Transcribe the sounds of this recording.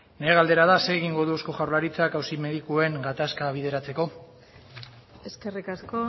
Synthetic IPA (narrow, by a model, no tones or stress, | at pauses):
neɣald̪e̞ɾaðaseːɣ̞iŋɡo̞ðuosko̞ʝawɾlaɾit͡sakawsime̞ðikue̞ŋɡat̪askaβ̞iðe̞ɾat͡se̞ko̞ | eskerikasko